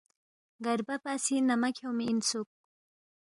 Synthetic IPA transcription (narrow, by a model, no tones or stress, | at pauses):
ɡaɾbapasinamakʰawmiːnsʊk̚